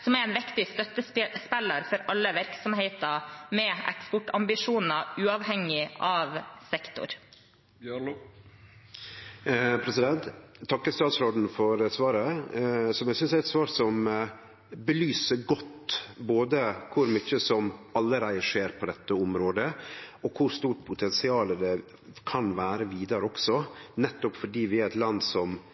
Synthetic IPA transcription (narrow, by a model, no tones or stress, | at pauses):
sɔmɛɾɛnʋɪkt̪ɪst̪œt̪ːəspɛlːəɾfɔɾʔɑlːəʋæɾksɔmɦeɪt̪ɑmɛɛ̰kspɔʈːɑmbɪʂuːnɑʉːɑʋhɛŋːɪʔɑʋsɛkt̪ʊ̰ɾ | pʰɾɛsɪd̪ɛnt̪ʰːɑkːəst̪ɑːt̪sɾoːɖ̪n̩fɔɾəsʋɑːɾəsɔmjæsʏnsæɛt̪sʋɑːɾsɔm | bəlyːsəɾɡɔt̪ːboːd̪əkʰʊɾmyçəsɔmɑlːəɾæɪəʂeːɾpʰɔd̪ɛt̪ːəʊmɾoːd̪əɔkʰʊɾst̪uːʈpʰʊt̪ʰɛnsɪɑːləd̪ɛ | kʰɑnʋæːɾəʋiːd̪ɑɾəɔksɔnɛt̪ːɔpfɔɖiːʋɪæɾæt̪lɑnd̪sɔm